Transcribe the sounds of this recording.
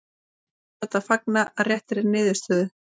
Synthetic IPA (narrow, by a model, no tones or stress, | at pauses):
θɛt̪aðfak̚naʔarjɛht̪ɪɾɛɾnɪːðʏ̥st̪œːðʏ